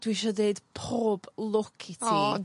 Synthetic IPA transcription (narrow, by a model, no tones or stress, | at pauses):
d̥wiʃɔdeɨd̥pʰoːb̥lˠʊkʰitʰiː